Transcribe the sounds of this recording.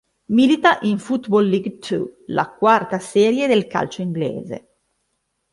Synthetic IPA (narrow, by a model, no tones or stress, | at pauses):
milit̪aʔiɱfut̪bɔlːiɡt̪ʰṵla̰kwart̪asɛːɾjed̪elka̰lt͡ʃoiŋɡlḛːzḛ